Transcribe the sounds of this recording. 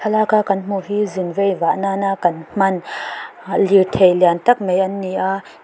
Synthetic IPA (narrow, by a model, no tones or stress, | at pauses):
alakakɐnm̥uɦiːzinvejvaʔnanaʔkɐnm̥ɐn | lit̪ʰejlɛant̪ɐk̚mejʔɐnːiʔaʔ